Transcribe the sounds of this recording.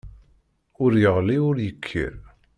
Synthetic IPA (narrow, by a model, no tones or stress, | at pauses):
ʊɾjəʁliʊɾjəkʰːḭɾ